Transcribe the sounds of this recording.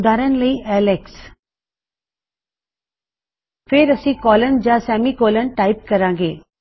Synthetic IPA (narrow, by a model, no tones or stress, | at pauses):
d̪ʱaːɾənləiʔɛːleks | fʰɪɾɐsĩːkɔːlənd͡ʑaːsɛːmikoːlənʈaːɪp̚kɐɾãːŋɡḛː